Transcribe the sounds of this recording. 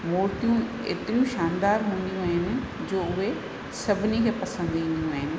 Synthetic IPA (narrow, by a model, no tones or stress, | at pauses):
moːɾt̪ijũ | ḛːt̪ɪɾijũʃaːnd̪aːɾɦũːnd̪ijũaːɦɪnɪ̆ | d͡ʑoːʊɦe | sɐbʱɪnikʰeːpɐsə̃nd̪ĩːnd̪ijũaːɦɪnɪ̆